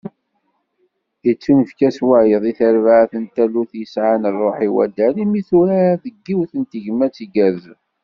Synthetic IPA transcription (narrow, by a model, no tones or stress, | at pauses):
ət͡sːunəfkæswæʕjəðˤiθəɾvaʕθənt̪æluθjəsʕanrˤːoħiwæ̰d̪ælimiθuɾæðəɡːiwθənt̪əʝmæt͡sːiɡæð